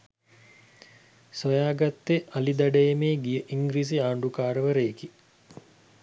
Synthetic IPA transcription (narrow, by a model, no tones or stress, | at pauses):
sojaːɡat̪ːeʔalid̪aɖɐjemeːɡijəʔiŋɡɾiːs̬iaːɳɖukaːɾəʋəɾeːki